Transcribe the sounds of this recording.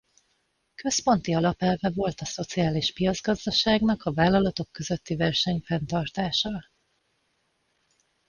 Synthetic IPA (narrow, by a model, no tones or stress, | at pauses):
kø̞spo̞nt̪iɒlɒpɛlvɛvo̞lt̪ɒso̞t̪siaːliʃpijɒd̪zɡɒzd̪ɒʃaːɡnɒkɒvaːlːɒlɒt̪o̞kːø̞zø̞t̪ːivɛrʃɛɲfɛnt̪ɒrt̪aːʃɒ